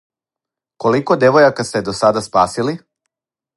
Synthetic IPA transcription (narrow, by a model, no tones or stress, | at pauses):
ko̞liko̞d̪jeʋojakast̪ed̪o̞sad̪aspaːsili